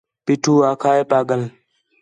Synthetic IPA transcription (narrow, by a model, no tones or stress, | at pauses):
pɪʈʰuːaːkʰaːeːpaːɠən